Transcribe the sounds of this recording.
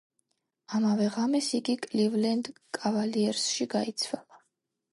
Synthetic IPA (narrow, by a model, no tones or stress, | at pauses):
amavɛʁamɛsiɡikʼlivlɛnd̪kʼavaliɛɾsʃiɡait̪sʰwɛlˠa